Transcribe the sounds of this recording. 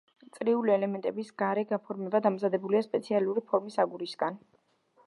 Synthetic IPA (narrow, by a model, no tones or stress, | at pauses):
t̪sʼɾiuliɛlɛmɛnt̪ʼɛbisɡ̥aɾɛɡapʰɔɾmɛbad̪amzad̪ɛbuliaspʼɛt̪sʰialuɾipʰɔɾmisaɡuɾisɡan